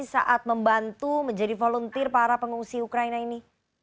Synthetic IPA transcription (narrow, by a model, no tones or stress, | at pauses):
sa̰ʔat̪̚məmbant̪uməɲd͡ʒadifolɔnt̪ɪrpaɾapəŋuŋsiukɾainaini